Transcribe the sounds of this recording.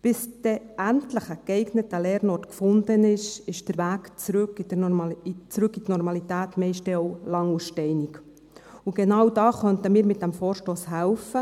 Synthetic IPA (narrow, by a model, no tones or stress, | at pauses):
b̥ɪsd̥ɛʔæntləχəkɛɪɡnətəlɛːɾnɔtkfʊndənɪʃɪʃd̥əɾʋæːkt͡sɾʏkidə | t͡sɾʉkːit̪nɔɾmɑlit̪æːtmɛɪʃtdɛɔʊlɑŋuʃtɛɪnik | uɡenɑwdɑːχœntəmiːɾmɪt̚d̥æmfoːɾʃtoːshælfə